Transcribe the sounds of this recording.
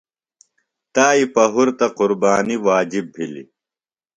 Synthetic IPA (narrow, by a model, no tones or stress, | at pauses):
t̪aːipɐɦuɾt̪ɐqʊɾbaːniwaːd͡ʑibːilḭ